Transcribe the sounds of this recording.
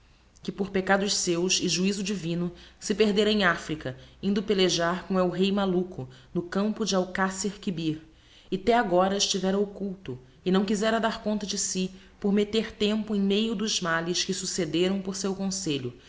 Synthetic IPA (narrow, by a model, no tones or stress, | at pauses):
kɪpoɾpekad̪ʊʃsewsɪʒuizʊd͡ʒivĩnʊsɪpeɾd̪eɾɐẽj̃afɾikɐĩnd̪ʊpeleʒaɾkõw̃ɛwɦejmalukʊnʊkɐ̃mpʊd͡ʒɪawkaseɾkibiɾ | ɪat̪ɛaɡɔɾɐɪʃt͡ʃivɛɾɐokuwt̪ʊ | ɪnɐ̃w̃kizɛɾɐd̪aɾkõnt̪ɐd͡ʒɪsɪ | poɾmet̪eɾt̪ẽmpʊẽj̃mejʊd̪ʊzmalɪʃkɪsused̪eɾɐ̃w̃poɾsewkõseʎʊ